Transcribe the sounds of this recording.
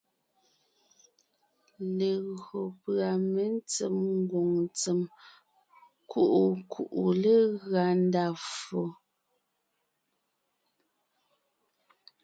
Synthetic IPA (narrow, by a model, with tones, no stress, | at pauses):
le˨ɣo˨pɰa˨me˨˦n˦t͡se˨mŋ˦ɡwo˨ŋnt͡se˨m | kʰu˦˨ʔu˨kʰu˨ʔu˨le˦ɣɰa˨n˦da˦˨fo˨